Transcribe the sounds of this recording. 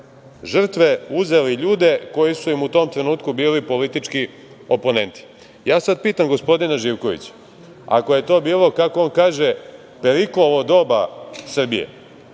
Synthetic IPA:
ʒr̩t̪ʋe̞uze̞liʎuːd̪e̞ko̞jisuimut̪o̞mt̪ɾe̞nuːt̪kubiːlipo̞lit̪it͡ʂki | o̞po̞ne̞nt̪i̥ | jaːsad̪̚piːt̪amɡo̞spo̞d̪inaʒiːʋko̞ʋḭt͡ɕḁ | a̰koje̞t̪o̞ːbiːlˠo̞kako̞onkaːʒe̞ | pe̞ɾikloʋod̪o̞ːbasr̩bijḛ

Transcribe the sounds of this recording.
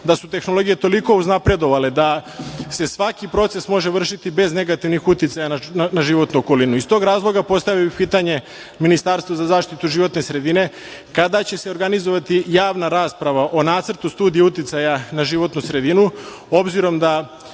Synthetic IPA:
d̪asut̪e̞xno̞lˠo̞ɡije̞t̪o̞liko̞uznapɾe̞d̪o̞ʋaled̪ase̞sʋakipɾo̞t̪se̞smo̞ʒe̞ʋr̩ʃit̪ibe̞zne̞ɡat̪iʋnixut̪it̪sajannaʒiʋo̞t̪nuoko̞linuist̪o̞ɡɾaːzlˠo̞ɡapo̞st̪aʋiipiːt̪aɲe̞ | minist̪aɾst̪ʋozazaːʃt̪it̪uʒiʋo̞t̪ne̞sɾe̞d̪ine̞ | kad̪at͡ɕe̞se̞o̞ɾɡanizoʋat̪ijaːʋnaɾaːspɾaʋaʔo̞naːt̪sr̩t̪ust̪uːd̪ijeut̪it̪sajanaʒiʋo̞t̪nusɾe̞d̪inuo̞bziɾo̞md̪a

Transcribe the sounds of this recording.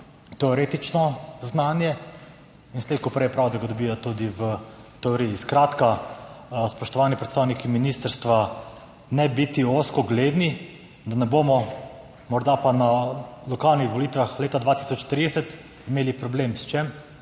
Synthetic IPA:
t̪ɛɔɾeːt̪it͡ʃnɔznaːnjɛ | insleːt̪̚kɔpɾɛjpɾawd̪aɡad̪ɔbijɔt̪ud̪iʋət̪ɛɔɾijiskɾat̪ka | spɔʃt̪ɔʋaːnipɾɛt̪st̪aːwnikiminist̪əɾst̪ʋa | nɛbit̪ioskɔɡled̪ni | d̪anɛboːmɔ | mɔɾd̪apanalɔkalnixʋɔlit̪ʋaxleːt̪ad̪ʋat̪i̥sɔt͡ʃt̪ɾid̪ɛsɛt̪ | imeːlipɾɔbleːmst͡ʃem

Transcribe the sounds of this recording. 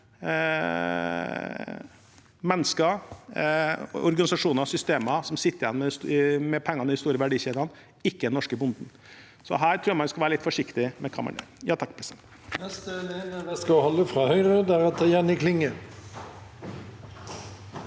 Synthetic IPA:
mɛnːəskə | ɔ̰ɾɡɑnɪsɑʂuːnəɾɑsʏst̪eːmɑsɔmsɪt̪ːəɾɪjɛnːmɛsmɛpʰɛŋːɑnəɪɪst̪uːɾəʋæɖiːɕeːd̪ɑn | ɪkːəd̪ɛnɔʂkəbʊnd̪n̩ | sɔ̰ɦæːɾt̪ʰɾuːɾmɑnʋɪskɑlʋæːɾəlɪt̪ːfɔʂɪkt̪ɪmɛkʰɑ̰mɑ̰ɳjø̰ɾjɑːt̪ʰɑkːpʰɾɛst̪ɛn | nɛst̪nenəʋɛskɑhɔlːəfɾɑːhœʏɾəd̪æɾɑt̪ʰɑjænːɪkʰlɪŋə

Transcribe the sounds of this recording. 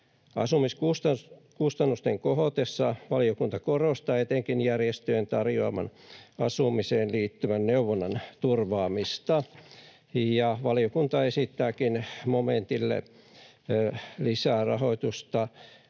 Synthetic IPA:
ɑ̰sumiskust̪ɑkust̪ɑnːust̪eŋkoɦot̪esːɑʋɑliokunt̪ɑkorost̪ɑet̪eŋkinjærjest̪øent̪ɑrjoɑmɑ̰nɑsumiseːnliːt̪ːyʋænneuʋonːɑnt̪urʋɑːmist̪ɑ | jɑʋɑlijokunt̪ɑesit̪ːæːkinmoment̪ilːḛ | lisæːˑrɑ̰hoit̪ust̪ɑ

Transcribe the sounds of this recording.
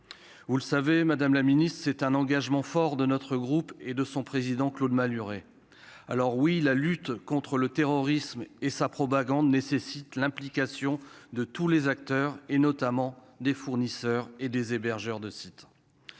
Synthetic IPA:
vuləsavemad̪amlaminist̪χsɛt̪ɛ̃nɑ̃ɡaʒmɑ̃fɔʁd̪ənɔt̪χəɡʁuped̪əsɔ̃pχezid̪ɑ̃klod̪malyʁe | a̰lɔʁwilalyt̪kɔ̃t̪χələt̪eʁɔʁismesapχɔpaɡɑ̃d̪nesesit̪lɛ̃plikʲasjɔ̃d̪ət̪ulezakt̪œʁenɔt̪amɑ̃ | d̪efuʁnisœʁed̪ezebɛʁʒœʁd̪əsit̪

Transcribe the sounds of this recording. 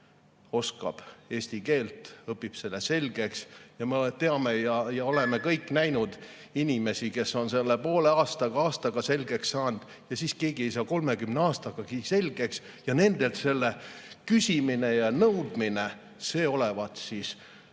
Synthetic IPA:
o̞skɑ̰b̥e̞ːsʲt̪ike̞ːlt̪ɤpːˑib̥se̞lːese̞lɡ̥e̞ksjɑmet̪e̞ɑmejɑjɑo̞le̞me̞kɤjkːˑnæjnud̪̥ | inʲime̞sike̞sːo̞nse̞lːepo̞ːle̞ɑːst̪ɑɡ̥ɑɑːst̪ɑɡ̥ɑse̞lɡe̞ksːɑːnd̪̥ | jɑsiske̞ːɡie̞js̬ɑːko̞lme̞kymneɑːst̪ɑɡ̥ɑɡ̥ise̞lʲɡ̥e̞ks | jɑne̞nd̪̥e̞lt̪se̞lːekysʲimine̞jɑnɤwd̪̥mine | se̞ːo̞levɑt̪sis

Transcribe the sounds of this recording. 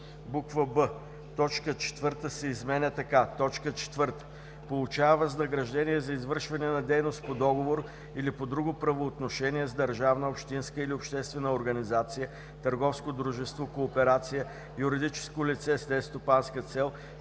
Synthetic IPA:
bukvəbə | t̪ɔt͡ʃkət͡ʃɛ̥t̪vəɾt̪əsɛizmɛnʲɛt̪ɐkat̪ɔt͡ʃkət͡ʃɛ̥t̪vəɾt̪ə̥ | polˠut͡ʃavəznɐɡɾɐʒd̪ɛniɛzɐizvəɾʃvɐnɛnɐd̪ɛjnost̪̚pod̪ɔɡovoɾ | ilipod̪ɾuɡʊpɾɐvoːt̪noʃɛniɛzd̪ɐɾʒavnəopʃt̪inskəiliopʃt̪ɛst̪vɛnəoɾɡɐnizat̪sijə | t̪ɐɾɡɔfskod̪ɾuʒɛst̪vokoːpɛɾat̪sijə | jʊɾɪd̪it͡ʃɛ̥skolit̪sɛslɛst̪opanskət̪sɛlˠ

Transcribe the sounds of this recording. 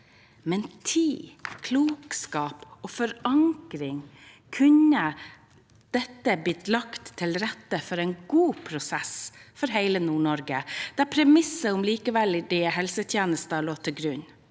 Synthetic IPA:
mɛnt̪ʰiːkʰluːkskɑːpɔːfɔɾɑŋkɾɪŋ | kʰʉnə | d̪̥ɛt̪ːəblɪt̪lɑkt̪ʰːɪlɾɛt̪ːəfɔɾɛɪnɡuːpʰɾʊsɛsfɔɾɦeɪlənuːɳɔɾɡəd̪̥æɾpʰɾɛmɪsːəʊmliːkəʋɛld̪ɛɦɛlsət̪ʰjeːnəst̪əɭoːt̪ʰɪɡɾʉn

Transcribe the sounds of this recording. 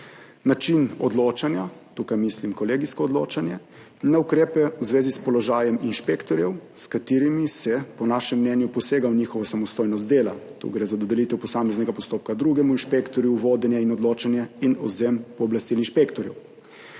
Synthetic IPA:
nat͡ʃinɔ̰d̪lot͡ʃanjat̪ukajmislimkɔleːɡiskɔːd̪lo̰ːt͡ʃanjɛ | naukɾeːpɛwzʋeːzispɔlɔʒaːjɛminʃpeːkt̪ɔɾjɛwskat̪iːɾimisɛpɔnaʃɛmːnɛnjupɔseːɡawniːxɔʋasamɔst̪oːjnɔs̬t̪d̪eːla̰t̪ṵɡɾeːzad̪ɔd̪ɛlit̪ɛwpɔsaːmɛznɛɡapɔst̪oːp̚kad̪ɾuɡɛmuinʃpekt̪ɔɾjuwʋoːd̪ɛnjɛinɔd̪loːt͡ʃanjɛinɔ̰zempɔːblast̪ilinʃpekt̪ɔɾjɛ̰w

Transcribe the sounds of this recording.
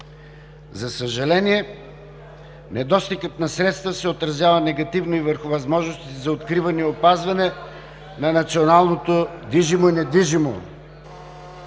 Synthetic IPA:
zɐsəʒɐlɛniɛ | nɛd̪ɔst̪ikət̪nɐsɾɛt̪st̪vəsɛot̪ɾɐzʲjavɐnɛɡɐt̪ivnoivəɾxʊvɐzmɔʒnost̪it̪ɛzɐot̪kɾivɐnɛopazvɐnɛ | nɐnɐt̪sionalˠnot̪od̪viʒimoinɛd̪iʒimo̰

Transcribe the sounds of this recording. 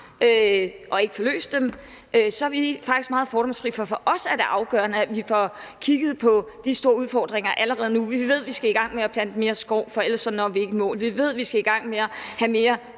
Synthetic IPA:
øʔɒ̽e̝ɡ̥əfɒ̽lø̰ːsd̥em | ʔøsɒ̽æʋifɑ̈ɡ̥isɡ̥mɑ̈ːð̩ˠfɒːɾɒ̽ŋsfʰʁḭfɒ̽fɒ̽ʔɒ̽sæɐd̥e̝ʔɑ̈ʊɡ̥œːɐnəæʋifɒkʰiɡ̥əð̞̩ˠpʰɒ̽d̥isd̥o̝ːɐuðˠfɒ̰ːd̥ʁeŋ̰ɐʔæləʁɛːð̞̩ˠnuʋiʋe̝ð̞̰ˠʋisɡ̥æiɡ̥ɑ̈ŋ̰meæb̥lænd̥əme̝ːɐsɡ̥ɒʊ̰fɒ̽elɐsɒ̽nːɒʋie̝ɡ̥əmɔ̰ːlʋiʋe̝ð̞̰ˠʋisɡ̥æiɡ̥ɑ̈ŋ̰meæhæme̝ːɐ

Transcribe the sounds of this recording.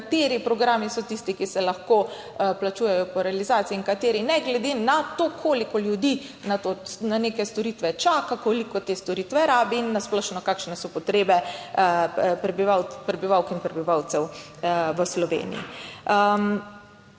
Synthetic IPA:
kat̪eːɾipɾɔɡɾaːmisɔt̪ist̪ikisɛlɐxko | plat͡ʃuːjɛjɔpɔɾɛalizaːt̪siiːŋkat̪eːɾinɛɡlɛd̪enat̪okʰoːlikɔljud̪i | nat̪onanekɛst̪ɔɾit̪ʋɛt͡ʃaːkakoːlikɔt̪eːst̪ɔɾit̪ʋɛɾaːbiinːasplɔʃnɔkaːkʃnɛsɔpɔt̪ɾeːbɛ | pɾɛbiʋawpɾɛbiʋawkinpɾɛbiʋawt̪sɛw | ʋəslɔʋḛːnḭḭə

